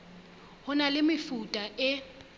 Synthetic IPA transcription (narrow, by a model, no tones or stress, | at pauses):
hʊnalɪmɪfutʼaʔɪ